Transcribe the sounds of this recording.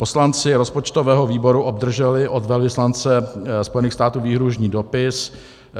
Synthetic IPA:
po̞slant͡sɪɾo̞spot͡ʃt̪ovɛːɦo̞viːbo̞ɾuʔob̚d̪r̩ʒɛlɪʔod̪vɛlvɪslant͡sɛspo̞jɛniːxst̪aːt̪uːviːɦɾuʒɲiːdo̞pɪs

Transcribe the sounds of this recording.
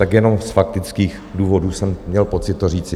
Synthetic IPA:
t̪akjɛno̞msfak̚t̪ɪt͡skiːx | duːvo̞duːsɛmːɲɛlpo̞t͡sɪt̪ːoriːt͡sɪ

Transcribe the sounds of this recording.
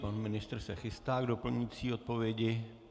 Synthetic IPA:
panmɪnɪst̪rsɛxɪst̪aːɡdo̞pl̩ɲɪt͡siːo̞t̪̚po̞vjɛɟɪ

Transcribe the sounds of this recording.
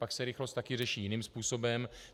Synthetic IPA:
paksɛɾɪxlost̪t̪akɪr̝ɛʃiːjɪniːmspuːsobɛm

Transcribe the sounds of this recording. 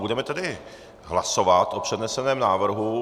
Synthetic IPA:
budɛmɛt̪ɛdɪ | ɦlaso̞vat̪ʔopr̥ɛdnɛsɛnɛːmnaːvr̩ɦu

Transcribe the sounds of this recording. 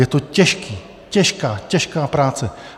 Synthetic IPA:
jɛt̪ocɛʃkiː | cɛʃkaːcɛʃkaːpɾaːt͡sɛ

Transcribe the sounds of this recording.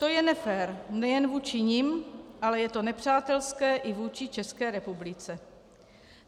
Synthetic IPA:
t̪o̞jɛnɛfɛːɾnɛjɛnvuːt͡ʃɪɲɪmʔalɛjɛt̪onɛpr̝̥aːt̪ɛlskɛːʔɪvuːt͡ʃɪt͡ʃɛskɛːɾɛpublɪt͡sɛ

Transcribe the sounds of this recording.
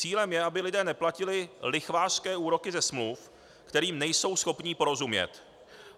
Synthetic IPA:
t͡siːlɛmjɛabɪlɪdɛːnɛplacɪlɪlɪxvaːʃskɛːuːɾo̞kɪzɛsmluf | kt̪ɛɾiːmnɛjso̞wsxo̞pɲɪpo̞ɾo̞zumɲɛ̰t̪

